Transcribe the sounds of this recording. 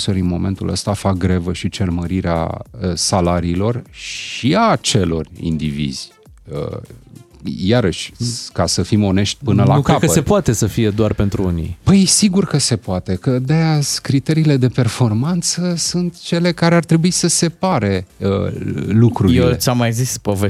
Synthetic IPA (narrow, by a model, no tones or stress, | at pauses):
soɾinmo̞me̞nt̪ulə̰st̪afak̚ɡɾevəʃit͡ʃe̞rməɾiɾea̰əsalaɾiːlo̞rʃiat͡ʃe̞lo̞̰rʲḭnd̪ivḭz̥ʲ | ə̰ | jaɾəʃʲkasəfimo̞ne̞ʃt̪ʲpɨnəlanukɾekəəsepoat̪e̞səfije̞d̪oarpe̞nt̪ɾuunḭbəjsiɡurkəse̞poat̪e̞kəd̪ejazkɾit̪e̞ɾiːle̞d̪e̞pe̞rfo̞rmant̪səsunt̪t͡ʃe̞le̞kaɾeart̪ɾe̞buisəse̞paɾe̞əlukɾuɾjɾeilesamːajzispove